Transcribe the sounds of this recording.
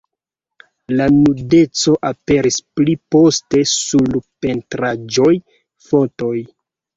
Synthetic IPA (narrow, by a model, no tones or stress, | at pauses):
lanude̞t͡so̞ʔape̞ɾisplipo̞ste̞sulpe̞ntɾad͡ʒo̞j | fo̞to̞j